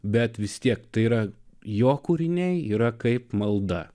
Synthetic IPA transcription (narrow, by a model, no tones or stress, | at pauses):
bʲɛt̪ʋʲɪst̪ʲiɛk̚t̪ɐɪiːɾɐjoːkuɾʲɪnʲɛɪiːɾɐkɐɪpmɐlˠd̪ɐ